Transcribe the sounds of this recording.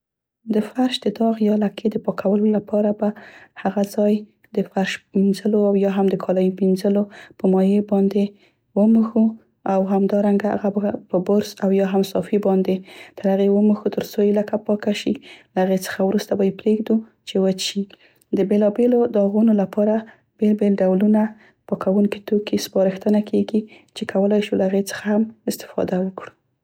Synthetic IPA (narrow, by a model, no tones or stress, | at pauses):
d̪əfaɾʃd̪əd̪ɑɣjɑlakʰed̪əpɑkʰawəlolapʰɑɾabahaɣazɑj | d̪əfaɾʃminzəloawjɑɦamd̪əkʰɑlajiminzəlopəmɑjebɑnd̪e | wəməxu | awɦamd̪ɑɾaŋɡaa̰ɣabpəbʊɾsawjɑɦamsɑfibɑnd̪et̪əɾhaɣewəməxut̪əɾsoɪləkapɑkaʃilaaɣet͡sə̥xawɾust̪abɑjepɾeɡd̪u | t͡ʃewət͡ʃi | d̪əbelɑbelod̪ɑɣunolapɑɾa | b̥elbelɖawluna | pəkʰawuŋkit̪okispɑɾɪxt̪ənakʰeɡi | t͡ʃekʰawəlajʃulaaɣet͡sə̥xahamɪst̪ɪ̥fɑ̰d̪awəkɽu